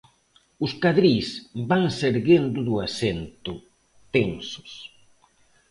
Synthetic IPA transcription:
ʊskaðɾisbaŋseɾɣend̪ʊðʊasent̪ʊ | t̪eŋsʊ̥s

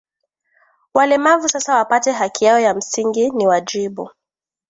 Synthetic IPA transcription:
walɛmavusasawapatɛɦakijaɔjam̩siŋɡiniwad͡ʒiɓu

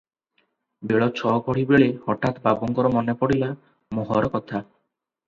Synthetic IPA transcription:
beɭɔt͡ɕʰɔɡɔɽibeɭehɔʈat̪babɔŋkɔɾɔmɔnepɔɽila | moɦɔɾɔkɔt̪ʰa

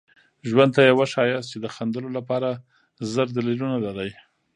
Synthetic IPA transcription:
ʒwand̪̚t̪ajawaʃɑjɑst͡ʃed̪əxand̪əlolapɑɾa | zəɾd̪alilunalaɾaj

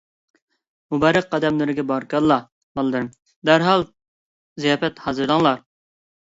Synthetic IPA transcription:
mubɑːɾəqːɑd̪ɛmlˠɨɾɪɡʲɛbɑɾkɑlːˠɑ | mɑlˠd̪ɨɾm | d̪æɾɦɑlˠ | zijɑːfɛt̪hɑːzɨɾd̪ɑŋlˠɑɾ

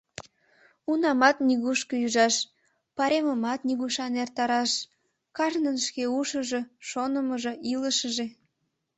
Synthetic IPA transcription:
unɑmɑt̪niɣuʃkəjyʒɑʃ | pɑɾeməmɑt̪niɣuʃɑnert̪ɑɾɑʃ | kɑʒnənʃkeuʃəʒeʃonəməʒəʔiləʃəʒe

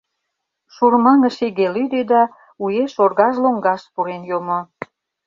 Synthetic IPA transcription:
ʃurmɑŋəʃiɣelyd̪ed̪ɑ | ujeʃorɣɑʒloŋɡɑʃpuɾenjomo

